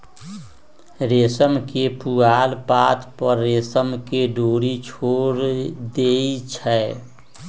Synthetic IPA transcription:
ɾeːsəmkepuɡaːlpat̪ʰpəɾːeːsəmkeɖoːɾit͡ʃʰoɾd̪eit͡ʃʰɛ

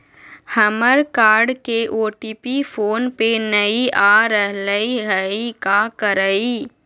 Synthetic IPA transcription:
həməɾkaːɾɖkeʔoːʈiːpifʰoːnpenɐiʔaɾəɦləiɦəikakəɾəi

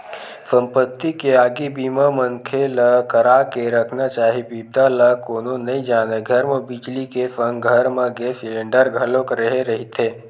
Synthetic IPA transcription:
fə̃mpət̪ːikeaːɡibiːmamənkʰelakəɾaːkeɾəkʰnat͡ʃaːɦibiːb̚d̪alakoːnõnɐɦĩd͡ʒaːneɡʱɐɾmẽbid͡ʒlikefə̃ŋɡʱəɾmẽɡeːslẽɳɖəɾɡʱɐlõkɾəɦeɾɐɦit̪ʰeː

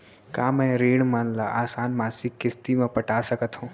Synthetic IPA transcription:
kaːmɛ̃ɾeːɽmaːnlaʔaːsaːnmaːsɪkːɪst̪imẽpəʈaːsəkət̪ɦũː

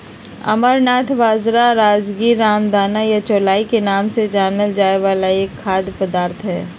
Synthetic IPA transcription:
ɐ̰məɾnaːt̪ʰʋaːzɾaɾaːd͡ʒɡiːɾːaːmd̪aːnajat͡ʃoːlaːikenaːmsed͡ʒaːnəld͡ʒaːeʋaːlaeːkʰːaːd̪pəd̪aːɾt̪ʰɦɛː

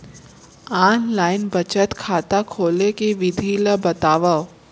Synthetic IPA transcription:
aːnlaːɪnbɐt͡ʃət̪kʰaːt̪akʰoːlekiʋɪd̪ʱiləbɐt̪aːʋə

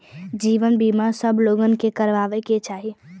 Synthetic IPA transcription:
d͡ʒiːʋənbimasəbʱloɡənkekəɾʋaːʋeket͡ʃaːɦi

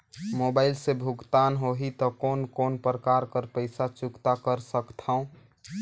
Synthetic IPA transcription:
mobaɪlsebʱuɡt̪anɦoɦit̪ɔkonkonpɾəkaɾkəɾpəɪsat͡ʃukt̪akəɾsəkt̪ʰaũ

